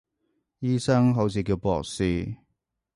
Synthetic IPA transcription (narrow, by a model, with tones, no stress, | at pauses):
jiː˥sɐ˥ŋɦo˨˥wsiː˨˩k̬iː˧wpɔ̰ː˨˧k̚siː˨˩